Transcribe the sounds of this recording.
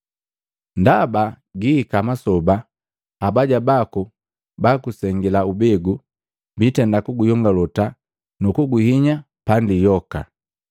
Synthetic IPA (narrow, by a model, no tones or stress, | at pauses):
ndaba | ɡiːkamasɔba | abaɟabaku | bakusɛŋɡilaubɛɡu | bitɛndakuɡujɔŋɡalɔta | nukuɡuhiɲa | pandijɔka̰